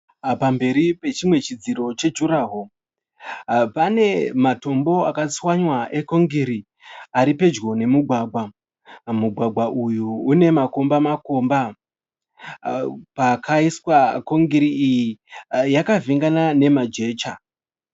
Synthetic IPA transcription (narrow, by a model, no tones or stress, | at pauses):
pambe̞ɾipe̞t͡ʃimwe̞t͡ʃid͡ziɾo̞t͡ʃe̞d͡ʒuɾaɦo | pane̞mato̞mbo̞akat͡swaɲwaʔe̞koŋɡiɾi | aɾipe̞d͡ʒɡo̞ne̞muɡʱwaɡʱwa | muɡʱwaɡʱwaʔujuːne̞mako̞mbamako̞mba | pakʰaiswako̞ŋɡiɾiijijakaviŋɡanane̞mad͡ʒe̞ːt͡ʃa